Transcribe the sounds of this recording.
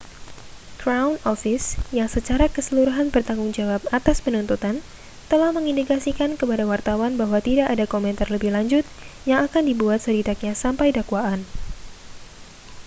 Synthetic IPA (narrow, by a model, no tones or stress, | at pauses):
kɾawnɔfɪsjaŋsət͡ʃaɾakəsəluɾuɦanbərt̪aŋɡʊŋd͡ʒawap̚at̪aspənunt̪ut̪an | t̪əlahməŋindikasikankəpadawart̪awanbaɦwat̪idaʔadakomɛnt̪arləbɪhlaɲd͡ʒʊt̪̚jaŋakandibuat̪̚səɾidak̚ɲasampajdakwaʔan